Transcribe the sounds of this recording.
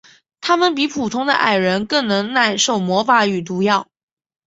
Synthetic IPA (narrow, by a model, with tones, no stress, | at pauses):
t̪ʰa˥mə˨npi˧˥pʰu˨˩t̪ʰʊ˥ŋd̪ə̰˧ʔa̰˥˩ɪɻə˧˥nkɤ˥˩ŋnɤ˧˥ŋna˥˧ɪʂo˥˩ʊmwɔ˧˥fa˧˥y˨˩t̪̬u˧˥jɑ˥˩ʊ